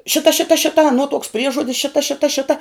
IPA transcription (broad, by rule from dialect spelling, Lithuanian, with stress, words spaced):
ˈʃʲɪtɐ ˈʃʲɪtɐ ˈʃʲɪtɐ ɐˈnuɔ tuɔks ˈpʲrʲiɛʒuɔdʲɪs ˈʃʲɪtɐ ˈʃʲɪtɐ ˈʃʲɪtɐ